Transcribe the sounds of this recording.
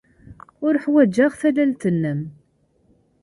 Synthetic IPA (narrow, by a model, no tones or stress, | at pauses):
ʊɾəħwæd͡ʒːaʁθælælt̪ənːəm